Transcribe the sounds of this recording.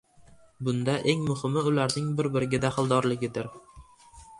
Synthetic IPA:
bʊnd̪aʔe̞ŋmʊhɪmɪʊlaɾnɪŋbɪɾbɪɾɪɡʲɪd̪aχɪlˠd̪ɒɾlɪɡʲɪd̪ɪɾ

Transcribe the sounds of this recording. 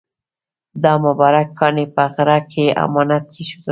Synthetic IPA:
d̪ɑmʊbɑɾakːɑnepəɣɾakʰea̰mɑnat̪̚keʃu̥d̪a

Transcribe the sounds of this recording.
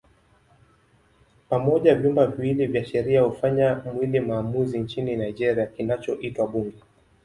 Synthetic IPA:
pamɔʄavjumbaviwilivjaʃɛɾiahufaɲamwilimaːmuzint͡ʃininaid͡ʒɛɾiakinat͡ʃɔʔitwaɓuŋɡɛ

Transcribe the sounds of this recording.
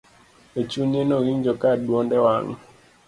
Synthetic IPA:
et͡ʃuɲɛnɔɣiɲd͡ʒɔkaɗwɔndɛwaŋ

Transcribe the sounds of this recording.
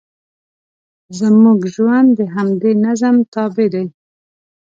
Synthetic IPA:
zəmuɡʒwand̪dːəɦamd̪enazəmt̪ɑbɪd̪aj

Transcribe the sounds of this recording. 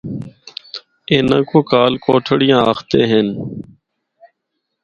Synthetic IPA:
eːnãːkoːkaːlkoːʈʰəɽɪjãːaːxʰt̪eːɦen

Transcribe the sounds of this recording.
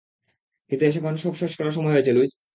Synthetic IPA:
kint̪ueʃ̬ekɔnoʃɔbʃɔʃkɔlaʃ̬ɔmɔeot͡ɕʰeluis

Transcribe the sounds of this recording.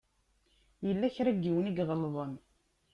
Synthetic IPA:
jəlːæçɾæɡːiwəniɡʁəlːðˤən

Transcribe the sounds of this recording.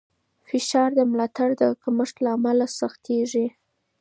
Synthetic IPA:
fɪʃɑɾd̪əmlɑt̪aɽd̪əkaməʂt̪laːmalasaxt̪eʐi

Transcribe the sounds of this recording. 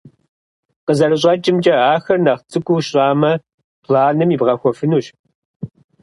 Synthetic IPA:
qəzɐrɨɕ̬ʼɐt͡ʃʼɪmt͡ʃʼɐaːxɐrnɐχt͡sʰʼɨkʷuːɕɕʼaːmɐ | pʰlaːnɨmibʁɐxʷɔfɨnuːɕ

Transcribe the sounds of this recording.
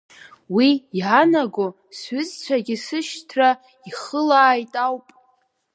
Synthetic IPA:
wiːʕanaɡo | sɥʏzt͡ɕʷʰaɡʲɪsɨʃtʰra | iχəlaːjtʼawpʼ

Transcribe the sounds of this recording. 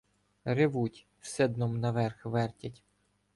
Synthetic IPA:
rɪʋutʲ | wsɛd̪nɔmnɐʋɛrxʋɛrtʲɐtʲ

